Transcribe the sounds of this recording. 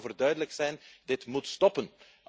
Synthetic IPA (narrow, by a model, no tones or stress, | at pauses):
vərdœɥdələksɛjndɪtmutstɔpən